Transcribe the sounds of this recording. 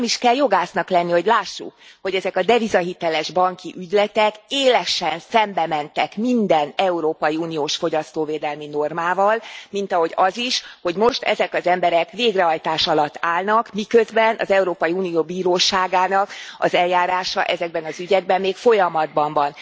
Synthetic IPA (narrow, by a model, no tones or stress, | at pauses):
miʃkɛljo̞ɡaːsnɒklɛnːiho̞ɟlaːʃːṵkho̞ɟɛzɛkɒd̪ɛvizɒɦit̪ɛlɛʒbɒŋkiʔyɟlɛt̪ɛkeːlɛʃɛnsɛmbɛmɛnt̪ɛkmind̪ɛnɛuɾoːpɒjiuːnijoːʃfo̞ɟɒst̪oːveːd̪ɛlmino̞rmaːvɒlmint̪ɒɦo̞ɟɒziʃho̞ɟmo̞ʃt̪ɛ̰zɛkɒzɛmbɛɾɛkveːɡrɛɦɒjt̪aːʃɒlɒt̪ːaːlnɒkmikø̞zbɛnɒ̰zɛuɾoːpɒjiuːnijoːbiːɾoːʃaːɡaːnɒkɒ̰zɛljaːɾaːʃɒ̰ʔɛzɛɡ̚bɛnɒzyɟɛɡ̚bɛmːeːkfo̞jɒmɒd̪̚bɒɱvɒn